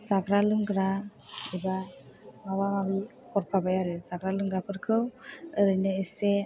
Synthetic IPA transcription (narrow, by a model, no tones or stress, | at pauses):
saɡɾalɯŋɡɾaɛba | mawamabi | kɔɾpʰabajaɾɯsaɡɾalɯŋɡɾapʰɯɾkʰɯwəɾɯjnɯese